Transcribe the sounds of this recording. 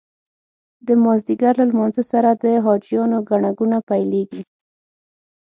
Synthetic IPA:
d̪əmɑzd̪iɡaɾlɑlmɑnzəsaɾad̪əɦɑd͡ʒijɑnoɡaɳaɡunapajleɡi

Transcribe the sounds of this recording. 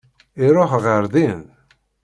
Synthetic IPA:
iɾˤoħʁəɾðin

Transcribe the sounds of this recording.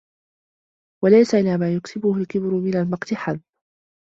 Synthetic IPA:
walajsaʔɪlaːmaːjʊksɪbʊhʊlkɪbɾʊmɪnalmɑqt̪ɪħaðː

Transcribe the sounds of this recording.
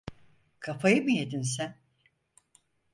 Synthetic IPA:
kʰafajɯmɯjed̪ins̬æn

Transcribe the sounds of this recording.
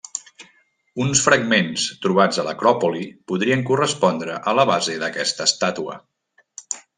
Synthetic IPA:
unsfɾəɡmenst̪ɾuβ̞ad͡zələkɾɔpulipuðɾiəŋkurəspɔnd̪ɾəʔələβ̞azeðəkɛst̪əːst̪at̪uə̰

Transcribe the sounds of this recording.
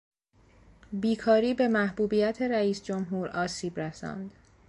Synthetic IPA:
biːkʰɒːɾiːbe̞mæhbuːbijæt̪ʰeɾæiːsd͡ʒomɦuːɾɒːsiːbɾæsɒ̰nd̪

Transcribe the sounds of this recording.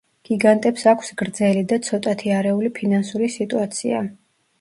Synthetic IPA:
ɡ̥iɡant̪ʼɛpsakʰsɡɾd̪zɛlid̪at̪sʰɔt̪ʼat̪ʰiaɾɛulipʰinansuɾisit̪ʼuat̪sʰḭa̰

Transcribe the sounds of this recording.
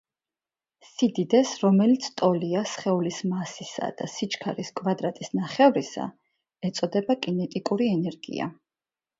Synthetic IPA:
sid̪id̪ɛsɾɔmɛlit̪sʰt̪ʼɔliasχɛulismasisa̰d̪̥a̰sit͡ʃʰkʰaɾiskʼvad̪ɾat̪ʼisnaχɛvɾisa̰ | ɛt̪sʼɔd̪ɛbakʼinɛt̪ʼikʼuɾiɛnɛɾɡḭa̰

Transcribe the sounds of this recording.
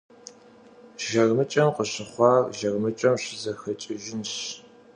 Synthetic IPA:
ʒɐrmɨt͡ʃʼɐmqəɕɪχʷɑːrʒɐrmɨt͡ʃʼɐmɕɪzɐxɐt͡ʃʼɪʒɪnɕ

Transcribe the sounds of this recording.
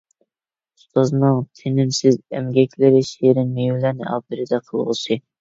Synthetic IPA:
ust̪oznɨŋt̪ʰɪnɪmsɪzɛ̰mɡʲɛkʲlɪɾɪʃejɾɪnmejɪlæɾnɪ̰ʔɑ̰d̪ɨɾɪd̪ɛqʰəlˠʁʊ̰sɨ

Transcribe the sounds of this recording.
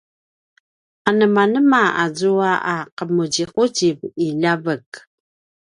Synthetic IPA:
anəmanəmaazuaʔaqəmuɟiquɟiviʎavək

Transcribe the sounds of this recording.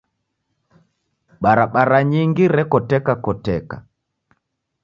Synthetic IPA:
ɓaɾaɓaɾaɲiŋɡiɾɛkɔtɛkakɔtɛka̰

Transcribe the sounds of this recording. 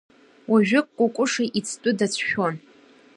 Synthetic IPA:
wʔaʒᶣɪkʷʼkʷʼʊkʷʼʊʂaʔit͡sʰtʼʊdat͡sʷʰʃᶣon

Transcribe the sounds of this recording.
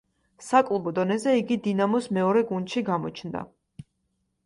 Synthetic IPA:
sakʼlˠɔbɔd̪ɔnɛzɛiɡid̪inamɔsmɛɔɾɛɡund̪ʃiɡamɔt͡ʃʰnd̪a̰

